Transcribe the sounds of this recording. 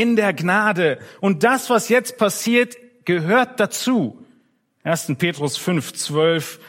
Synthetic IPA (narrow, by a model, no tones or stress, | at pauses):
ɪndeːɐɡnaːdəʔʊnt̚d̥asv̥asjɛt͡st̚pʰasiːɐt | ɡ̥əɦøːɐt̚d̥at͡suː | ʔeːɐstn̩pʰeːtʁ̥ʊsfʏnft͡sv̥œlf